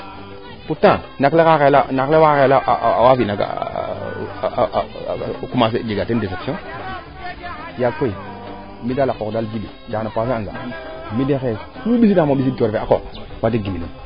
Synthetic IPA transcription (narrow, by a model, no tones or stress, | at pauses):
puta | naklekakelanaklewakelaʔwafinaɡa̰ | kumas̬ed͡ʒeɡatendes̬epsiõ | jakoi | midalakokdalvidḭt͡ʃanapasaaɡa̰midexeuɓisinamaɓisitoɾfeako̰wat̬iɡimini